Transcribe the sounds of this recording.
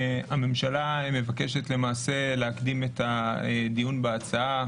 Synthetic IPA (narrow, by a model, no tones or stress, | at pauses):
ame̞mʃalame̞vakeʃetle̞maːse̞leakdimetaed̪ijunbeat͡saa